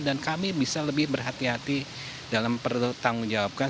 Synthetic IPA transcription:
dankamibisaləbɪhbərɦat̪iɦat̪i | dalampərt̪aŋuŋd͡ʒawap̚ka

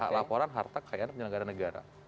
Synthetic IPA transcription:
a̰lapɔɾanɦart̪akʰajanpuɲanəɡaɾanəɡaɾa̰

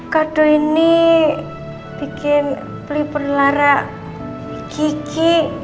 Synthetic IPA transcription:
kaɖ̥o̤ini | b̥i̤kɪn | plipərlaɾaʔ | ikiki

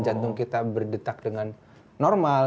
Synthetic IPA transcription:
d͡ʒant̪ʊŋkit̪abərdət̪ak̚dəŋanː | ɔrmal

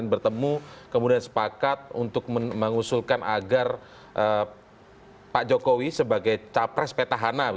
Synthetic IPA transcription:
nbərt̪əmukəmudiansə̥pakat̪̚ṵnt̪ʊk̚məməŋusulkanʔa̰ɡar | ʔə | pad͡ʒokowisəbaɡajt͡ʃapɾɛspet̪aɦana

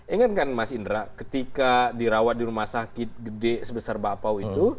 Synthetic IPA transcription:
iŋat̪̚kanmasindɾakət̪ikadiɾawat̪̚diɾumahsakɪt̪̚ɡədɛsəbəsarbapawit̪u

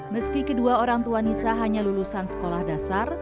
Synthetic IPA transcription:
məskikəduaoɾaŋt̪uanisaɦaɲalulusansə̥kolahdasar

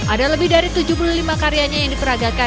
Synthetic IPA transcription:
ʔadaləbɪhdaɾit̪ud͡ʒupululimakaɾiaɲajaŋdipəɾaɡaka

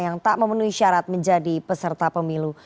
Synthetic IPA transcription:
jaŋt̪aʔməmənuɦiʃaɾat̪̚məɲd͡ʒadipəsərt̪apəmilu

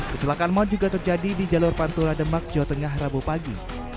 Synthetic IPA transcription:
kət͡ʃulakanmɔt̪̚d͡ʒuɡat̪ərd͡ʒadidid͡ʒalʊrpant̪uɾadəmbak̚d͡ʒawat̪əŋaɦrabupaɡḭ

